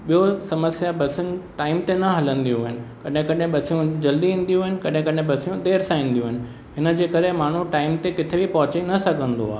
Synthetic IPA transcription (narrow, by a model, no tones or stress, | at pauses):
ɓijosɐməsjabɐsɪnɪ̆ʈaːɪmt̪enɐɦɐlə̃nd̪ijũɦɪnɪ̆kɐɗɦɪ̃kɐɗɦɪ̃ɓɐsijũd͡ʑɐld̪iɦĩːn̆d̪ijũɦɪnɪ̆kɐɗɦɪ̃kɐɗɦẽɓɐsijũɗ̪eːɾsãĩːn̆d̪ijũɦɪnɪ̆ | ɦɪnə̆d͡ʑeːkɐɾemaːɳ̤uʈaːɪmt̪ekɪt̪ʰebipɐɦʊt͡ɕenɐsɐɡʱə̃nd̪oaː